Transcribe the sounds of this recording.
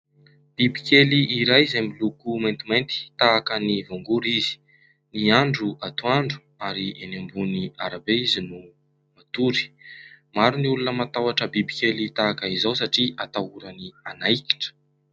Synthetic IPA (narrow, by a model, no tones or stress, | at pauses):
b̥ibikʲeliʔiɾajzemilukumajnt̪imajnt̪i̥t̪aːkənivoŋɡuɾizi̥ | niaɳɖ͡ʐuat̪uaɳɖ͡ʐu̥ | aɾiʔenambuniaɾabeizinu | mat̪uɾi̥ | maɾuniulunəmat̪awaʈ͡ʂəbibikʲelit̪aːkaizawsaʈ͡ʂiʔat̪auɾanianajki̥ʈ͡ʂə̥